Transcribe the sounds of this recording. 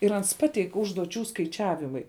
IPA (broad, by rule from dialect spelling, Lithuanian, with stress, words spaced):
ɪr ˈɐns ˈpɑːtʲɛɪk ʊʒduɔˈt͡ʃʲuː skɐɪˈt͡ʃʲæːʋʲɪmɐɪ